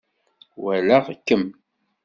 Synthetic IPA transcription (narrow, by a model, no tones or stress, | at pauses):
wælæʁkːəm